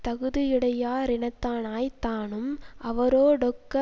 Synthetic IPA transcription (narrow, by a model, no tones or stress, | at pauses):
t̪ɐɣɯðɪjɪɽɐjaːɾɪnɐt̪ːaːnaːjt̪ːaːnɯmʔɐʋɐɾoːɖɔkːɐ